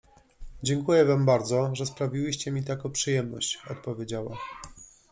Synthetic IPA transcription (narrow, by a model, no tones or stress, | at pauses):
d͡ʑɛŋkujɛvambaɾd̪zɔʐɛspɾavʲiwɘɕt͡ɕɛmʲit̪akɔ̃pʂɨjɛmnɔ̰ɕt͡ɕɔt̪̚pɔvʲjed͡ʑawa